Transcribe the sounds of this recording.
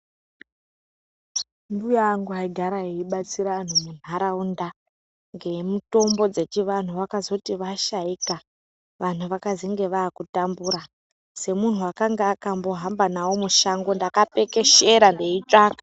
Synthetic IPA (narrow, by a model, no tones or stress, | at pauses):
ndujaŋɡuaiɡʱaɾaɦeiɓat͡siɾan̤umem̤aɾaunda | ŋɡe̞muto̞mbo̞d͡ze̞t͡ʃiʋan̤uʋakazo̞tiʋaʃaika | ʋan̤uʋakaziŋɡe̞ʋaːkutambuːɾa | se̞mun̤uwakaŋɡaːkambo̞ɦambanawomuʃaŋɡo̞ndakape̞ke̞ʃe̞ɾandeit͡ʂaːkḁ